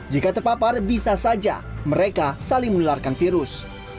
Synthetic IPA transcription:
d͡ʒikat̪əpaparbisasad͡ʒa̰məɾekasalɪŋmənularkanfiɾʊs

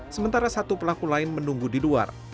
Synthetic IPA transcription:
səmənt̪aɾasat̪upəlakulaɪnmənuŋɡudilua̰r

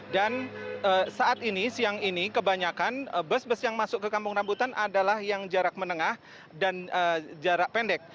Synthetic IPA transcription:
danəsaʔat̪inisiaŋinikəbaɲakanəbəsbəsjaŋmasʊkːəkampʊŋrambut̪anʔadalahjaŋd͡ʒaɾak̚mənəŋah | danəd͡ʒaɾaʔpɛndɛk̚

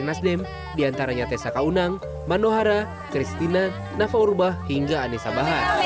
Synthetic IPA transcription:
nasdɛm | diant̪aɾaɲat̪ɛsakaunaŋ | manoɦaɾa | kɾist̪ina | nafaurbahhiŋɡaːnisabaɦan

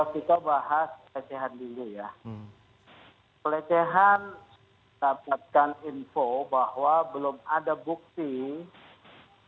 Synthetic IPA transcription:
akit̪abaɦaspəlet͡ʃɛɦandilija | pəlet͡ʃɛɦan | dapat̪̚kaninfobahwabəlʊmadabuk̚t̪i

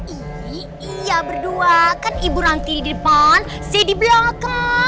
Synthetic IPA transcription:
ʔi | ijabərduakanibuɾaŋt̪iɾididəpan | sadibəlɔŋka

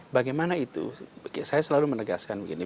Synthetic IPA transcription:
baɡajmanait̪ṵsajasəlalumənəɡa̰skanbukini

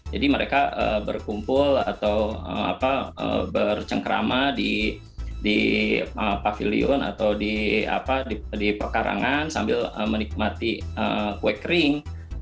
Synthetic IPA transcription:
d͡ʒadiməɾekaəbə̰rkumpʊla̰t̪awəma̰paə̰bərt͡ʃəŋkəɾa̰madi | diəpafḭlḭʊna̰t̪awdia̰padidipərkaɾʔa̰ŋansambɪləmənik̚mat̪iəkwɛkɾɪŋ

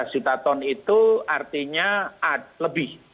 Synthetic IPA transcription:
sut̪at̪ɔnit̪uart̪iɲaad̚ləbɪh

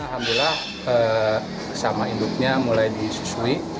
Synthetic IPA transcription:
ɦambilah | ə | samainduk̚ɲamulajdisu̥sui

